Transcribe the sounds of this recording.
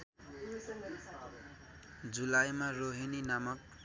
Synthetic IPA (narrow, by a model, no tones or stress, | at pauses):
d͡zulajmaroɦininamʌk̚